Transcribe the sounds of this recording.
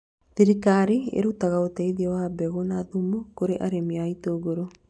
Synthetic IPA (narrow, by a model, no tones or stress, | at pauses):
ðiɾikaɾiḛɾutaɣaotɛiðiɔwabɛɣonaðumokoɾeʔaɾemiaitoːɣoɾo